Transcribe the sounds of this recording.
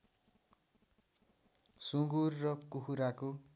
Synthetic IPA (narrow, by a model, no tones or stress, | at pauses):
sũɡurːʌkuhuɾako